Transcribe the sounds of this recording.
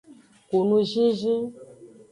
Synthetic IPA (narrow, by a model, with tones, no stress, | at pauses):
ko˨nũ˦ʒĩ˦ʒĩ˦